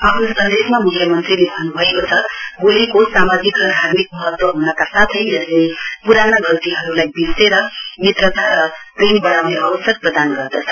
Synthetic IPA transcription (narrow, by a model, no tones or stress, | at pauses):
apʰnʌsʌnd̪esmamukʰjʌmʌnt̪rilebʱʌnːubʱʌekot͡sʰʌɡulikosamad͡zikrʌd̪ʱaɾmik̚mʌɦʌt̪wʌɦunʌkasat̪ʰʌjd͡zʌslepuɾanaɡʌlt̪iɦʌɾulajbiseɾʌmit̪rʌt̪aɾʌpinbʌɽawneabʌsjʌk̚prʌd̪anɡʌrd̪ʌt͡sʰʌ̥